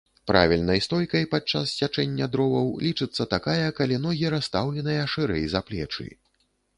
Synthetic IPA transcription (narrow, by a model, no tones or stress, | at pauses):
pɾʔa̰vʲilʲnɐjst̪ɔjkɐjpat͡ʂa̰st͡sʲat͡ʂɛnʲːɐd̪ɾɔvɐwlʲit͡ʂɨt̪sːɐt̪akajɐkalʲin̪ɔɣʲiɾast̪awlʲɛnɨjɐʂɨɾɛjzaplʲɛ̰t͡ʂɨ̰j